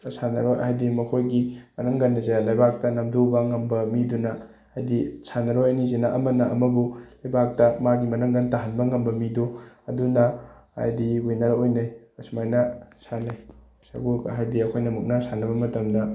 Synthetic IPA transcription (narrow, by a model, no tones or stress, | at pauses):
sanɐɾojɐ̰ɦajdimɐkʰojɡimɐnɐŋɡɐnːɐzaɾalɐjbak̚tɐnɐmdobɐŋɐmbɐmidunɐ | ajdisanɐɾojɐnizenaʔɐmɐnɐʔɐmɐbulɐjbak̚tɐmaɡimɐnɐŋɡɐntaɦɐnbɐŋɐmbɐmiduɐdunɐa̰jdiɡujnɐɾɐojnajɐsumajnɐsanaj | sɐ̰ɡuɐ̰ɦajdiɐkʰojnɐmuk̚nɐsanɐbɐmɐtɐmdɐ